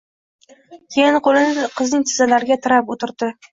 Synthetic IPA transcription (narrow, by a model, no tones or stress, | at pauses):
kʲʰejɪnqʰolɪnɪqʰɨznɪŋʲt̪ʰɪzalaɾɪɡʲat̪ʰɪɾapot̪ʰɪɾd̪ɪ